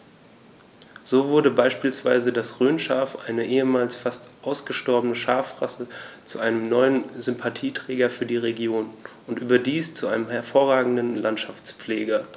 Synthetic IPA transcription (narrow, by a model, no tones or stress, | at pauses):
z̥oːvʊɐɾəbaɪʃpiːlsv̥aɪzədasʁøːnʃaːɐfʔa̰ɪnəʔeːəmaːlsfastʔaʊsɡ̥əʃtɔɐbənəʃaːfʁa̰sət͡suʔaɪnəmnɔʏənzʏmpʰatʰiːtʁ̥ɛːɡɐfyːɐdiːʁeɡjoːn | ʊntʔyːbɐdiːst͡suʔaɪnəmhɛɐfoːɐʁaːɡŋ̩dənlantʃaft͡spp͡fleːɡɐ